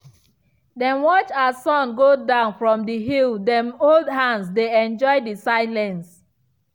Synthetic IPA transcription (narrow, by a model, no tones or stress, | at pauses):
dɛ̃nwɔt͡ʃasɔ̃nɡodãʊ̃nfɹɔ̃mdiɦilˠdɛ̃moldɦãnsdeɛ̃nd͡ʒɔɪdisaɪlɛ̃ns